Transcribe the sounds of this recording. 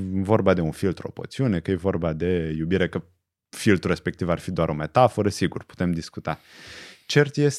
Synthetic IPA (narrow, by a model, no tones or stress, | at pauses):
vo̞rbad̪e̞unfilt̪ɾuo̞̰po̰t̪siune̞kəjevo̞rbad̪e̞jubiɾe̞kə | filt̪ɾuɾe̞spek̚t̪ivarfid̪oaɾo̞me̞t̪afoɾəsiɡurpu̥t̪emd̪iskut̪a | t͡ʃe̞rt̪jes